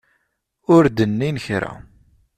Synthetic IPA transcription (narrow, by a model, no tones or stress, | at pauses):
ʊɾd̪ənːinçɾæ̰